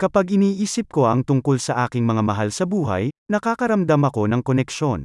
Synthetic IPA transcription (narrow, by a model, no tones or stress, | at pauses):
kɐpaɡɪniːʔiːsɪp̚ko̞ʔɐŋt̪ʊŋkolsɐʔaːkɪŋmɐŋamɐɦalsɐbuːɦɐ̰jnɐkaːkɐɾɐmd̪ɐmɐko̞nɐŋkonɛkʃo̞n